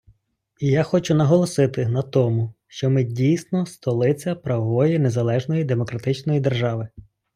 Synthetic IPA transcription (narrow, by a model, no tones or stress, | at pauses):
ijaxɔt͡ʃʊnɐɦɔlˠɔsɪt̪ɪnɐt̪ɔmʊʃt͡ʃɔmɪdʲijsnɔst̪ɔlˠɪt͡sʲɐpɾɐʋɔʋɔjinezɐlˠɛʒnɔjid̪emɔkɾɐt̪ɪt͡ʃnɔjid̪erʒɑʋɪ